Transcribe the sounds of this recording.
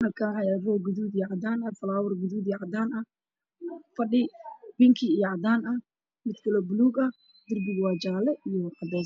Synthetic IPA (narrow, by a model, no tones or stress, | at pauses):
hɐlkʰaːhɐjarɔːɡʊðuːd̪ijʕɑd̪aːnɐfɐlaːwʊrɡʊðuːd̪iʕɑd̪aːnɐ | fɐɖɪbɪŋkʰɪijʕɑd̪aːnɐ | mɪd̪kʰɐlɔːbʊluːɡɐ | d̪ɪrbɪɣwɑːd͡ʒaːlɛʔijɔqɑd̪ɛː